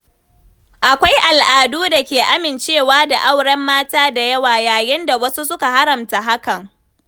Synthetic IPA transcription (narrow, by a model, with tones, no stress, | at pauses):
ʔa˨kʷa˦jʔa˨lʔaː˨duː˦da˨kʲeː˨ʔa˦mɪ˨nt͡ʃeː˦˨waː˦da˨ʔa˦˨wɽɐ˦mːaː˦taː˦da˨jɐ˦waː˨jaː˨jɪ˦nda˨wɐ˦su˦sʊ˦ka˨ɦa˦ɾɐ˨mta˨ɦa˦kɐ˨ŋ